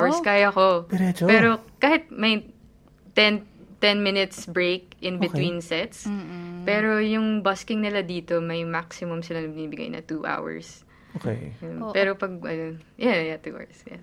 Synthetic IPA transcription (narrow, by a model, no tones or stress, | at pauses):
wɛɹskaːjɐkoɛpɛːɾokaːhɪt̪̚mɐj | t̪ɛnt̪ɛnmɪnɪt̪sbɹejk̚ʔɪ̃nbɪt̪winsɛt̪spɛːɾo̞jʊŋbɐskɪŋnɪlad̪iːt̪o̞mɐjmaksɪmʊmsɪlanɐbɪniːbɪɡa̰jnɐ̰t̪uʔa̰wɐ̰ɹs | okḛjjʊnpɛɾopɐɡ̚ʔɐ̰nonjajat̪ṵʔa̰sja̰